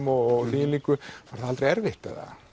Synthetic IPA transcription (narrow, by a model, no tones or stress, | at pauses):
mɔɣθiːliːkʏfaɾ̥θaalt̪ɾeɛɾvɪht̪ːa̰ða̰